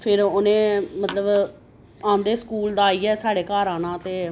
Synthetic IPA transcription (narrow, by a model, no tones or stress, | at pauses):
pʰɪɾoːnẽːmət̪ləb | ãːnd̪eːskuːld̪aːiːɛːsaːɽeːkaːɾaːnãːt̪eː